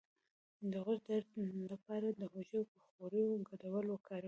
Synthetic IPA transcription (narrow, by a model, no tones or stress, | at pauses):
d̪əɣʊɾd̪aɾlapɑɾad̪əhoʒapəxoɾəjoɡaɽawəlokʰɑɾ